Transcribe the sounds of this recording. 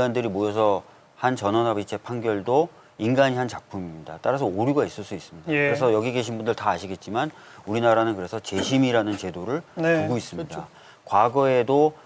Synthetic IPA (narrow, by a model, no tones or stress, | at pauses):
andɯɾimojʌs̬ʰʌ | hant͡ɕʌnʌnabit͡ɕʰe̞pʰaŋɡjʌɭdo | inɡaɲiɦant͡ɕak̚pʰumiɲidat͈aɾas̬ʰʌoɾiɡais͈ɯɭs͈uis͈ɯmɲidakɯɾesʰʌjʌɡiɡe̞ɕʰinbundɯɭtaːɕʰiɡe̞t̚t͡ɕ͈iman | uɾinaɾanɯnkɯɾe̞sʰʌt͡ɕe̞ɕʰimiɾanɯnt͡ɕe̞doɾɯɭpuɡois͈ɯmida | kwaɡʌe̞do